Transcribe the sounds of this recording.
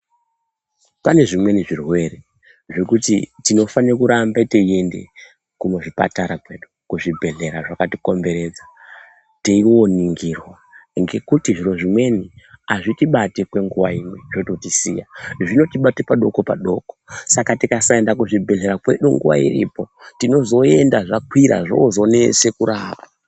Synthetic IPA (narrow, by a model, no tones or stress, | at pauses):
pane̞ʐimwe̞niʐirwe̞re | ʐe̞kutitino̞fanirokuɾambeteie̞nde̞̰ | kumoʐipa̰taɾakwe̞ɗukuʐibʱe̞ɮe̞ɾaʐakatiko̞mbe̞ɾe̞d͡za | teiwo̞niŋɡirwa | ŋɡe̞kutiʐiro̞ʐimwe̞niaʐitiɓatekwe̞ŋɡuʋaimweʐ̥o̞to̞tisḭja̰ʐino̞tiɓatepaɗo̞ko̞paɗo̞ko̥sakatikasaendakuʐibʱe̞ɮe̞ɾakwe̞ɗuŋɡṵʋa̰ḭrḭpo̞tino̞zo̞e̞ndaʐakwiɾa̰ʐo̰zo̞ne̞se̞kuɾaːba